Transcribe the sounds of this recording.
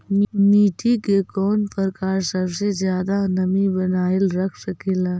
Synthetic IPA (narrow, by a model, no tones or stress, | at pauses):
miːʈʰikekɔːnpəɾkaːɾsəbsed͡ʒjaːd̪anəmibənaːɪlɾəkʰsəkeːla